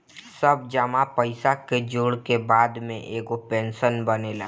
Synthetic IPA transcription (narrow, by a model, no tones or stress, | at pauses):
səb̚d͡ʒəmapəɪsaked͡ʒoːɽkebaːd̪mḛ̃ʔeːɡopẽːnsənbənela̰ː